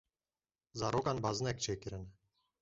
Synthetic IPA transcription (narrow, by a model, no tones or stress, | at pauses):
zaɾɔkanbaznɛk̚t͡ʃʰɛkiɾɛnɛ